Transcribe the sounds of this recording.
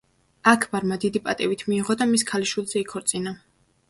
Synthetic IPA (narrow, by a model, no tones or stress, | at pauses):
akʰbaɾmad̪id̪ipʼat̪ʼɛvit̪ʰmiːʁɔd̪amiskʰaliʃwilˠzɛikʰɔɾt̪sʼina